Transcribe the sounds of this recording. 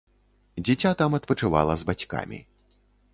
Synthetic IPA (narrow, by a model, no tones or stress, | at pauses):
d͡zʲit͡sʲat̪amɐt̪pɐt͡ʂɨva̰lˠɐzbat͡sʲka̰mʲḭ